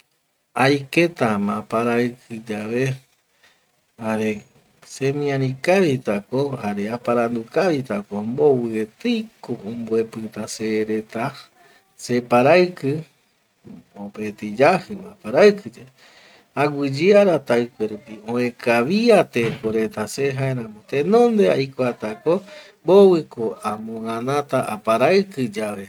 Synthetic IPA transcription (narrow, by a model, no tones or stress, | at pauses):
ajket̪amãpaɾaɨkʰɨd͡ʒaβe | haɾe̞ | semĩãɾĩkaβit̪akohaɾeapaɾand̪ukaβit̪akombo̞wɨet̪ɨjkoombuepɨt̪aseɾe̞t̪a | se̞paɾaɨkɨ | opet̪id͡ʒahɨmãpaɾakɨd͡ʒae | aɡʷɨd͡ʒiaɾat̪aɨkʷeɾupiõẽkʰaβiat̪ekoɾe̞t̪aseɦaeɾãmõt̪ẽnõnd̪ea̰jkʷat̪akombowɨkoamõãnãt̪aʔapaɾaɨkɨd͡ʒaβe